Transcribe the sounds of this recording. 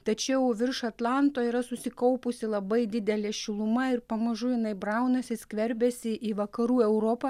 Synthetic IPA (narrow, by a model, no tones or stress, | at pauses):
t̪ɐt͡ʃʲɛʊʋʲɪɾʃɐt̪lˠɑnt̪oːiɾɐsʊsʲɪkɐʊpʊsʲɪlˠɐbɐɪd̪ʲɪd̪ʲɛlʲɛʃʲɪlˠʊmɐɪɾpɐmɐʒʊjɪnɐɪbɾɐʊnɐsʲɪsʲkʲʋʲɛɾʲbʲɛsʲɪʔiːʋɐkɐɾuːɛʊɾoːpɐ